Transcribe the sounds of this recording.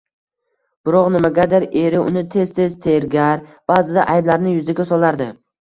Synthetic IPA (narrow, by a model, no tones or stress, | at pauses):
b̥ɪɾɒqnɪmaɡʲad̪ɪɾe̞ɾɪʊ̰nɪt̪ʰe̞zt̪ʰe̞zt̪ʰe̞ɾɡʲaɾb̥aːzɪd̪aʔajblaɾnɪjʊzɪɡʲasɒlˠaɾd̪ɪ